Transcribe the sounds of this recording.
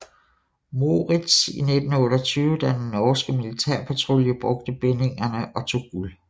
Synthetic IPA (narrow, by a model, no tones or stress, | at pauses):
mo̝ʁid̥sḭned̥n̩ɔːɾɒt͡sʰyːʊəd̥æd̥enːɒːsɡ̥əmilit͡sʰæɐ̰pʰæt͡sʰʁo̝ljəb̥ʁɔ̽ɡ̥̚d̥əb̥ene̝ŋɐnəʔɒ̽t͡sʰo̝̰ːɡ̥ul